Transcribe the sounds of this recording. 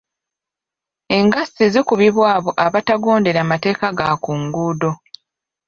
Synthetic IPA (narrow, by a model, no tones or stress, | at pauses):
e̞ŋɡasːizikuβiβwaːβo̞ʔaβataɡo̞ːnde̞ɾamate̞ːkaɡakuːŋɡuːdo̞